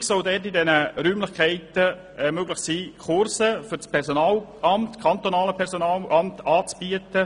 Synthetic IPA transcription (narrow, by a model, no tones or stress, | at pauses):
ksɔldɛtɪdɛnəɾyːmlɪχkʰɛɪtə | ɛmøɡlɪχsiːkχʊɾsəfʏɾspʰɛɾsonaːlʔɑmtkʰɑnt̪onɑːləpʰɛɾsonɑːlʔɑmtɑːt͡sb̥iətə